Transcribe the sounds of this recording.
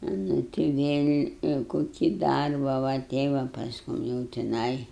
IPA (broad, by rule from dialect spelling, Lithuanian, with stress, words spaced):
nʊ tʲɪ ʋʲeːlʲ koːˈkʲiː ˈdɐrbɑː ʋɐ ˈtʲɛɪ ʋɐ pɐsˈkʊm jɛʊ tʲɪˈnɐɪ